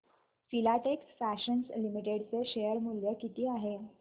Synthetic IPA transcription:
filaʈeksfæɕənslimiʈeɽt͡seɕejəɾmuljəkit̪iːaɦe

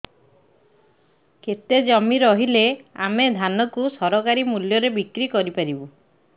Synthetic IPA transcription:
ket̪ed͡ʒɔmiɾɔɦilea̰med̪ʱanɔkusɔɾɔkaɾimuljɔɾebikɾikɔɾipaɾibu

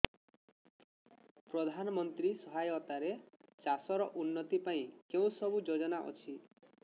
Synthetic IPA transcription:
pɾɔd̪ʱanɔmɔnt̪ɾisɔɦajɔt̪aɾet͡ʃasɔɾɔʔunːɔt̪ipaĩkeũsɔbud͡ʒod͡ʒɔnaʔɔ̰t͡ʃʰi

